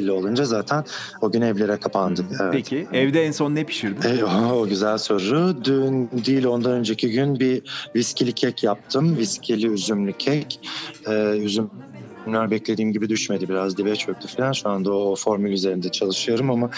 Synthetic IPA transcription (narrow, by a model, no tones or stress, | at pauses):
lʲːio̞lˠund͡ʒazaːt̪ʰæn | oɟynɛvlʲe̞ɾɛkʰapʰand̪ɯkɛvɛt̪iɛvd̪ɛɛnso̞nːepʰi̥ʃiɾd̪ɪɛoɟyzælʲso̞ɾɾud̪ynd̪ijlʲo̞nd̪anø̞nd͡ʒecʰiɟynbiviscilʲicʰɛcʰjap̚t̪ʰɯmviscʰilʲiyzymlʲycʰɛcɛyzym | mlʲæɾbɛclʲe̞d̪iːmɟibid̪yʃme̞d̪ibiɾazd̪ivɛt͡ʃjok̚t̪ʰufilʲanʃuand̪aofo̞ɾmylʲyze̞ɾind̪ɛt͡ʃʰalˠɯʃɯjoɾɯmama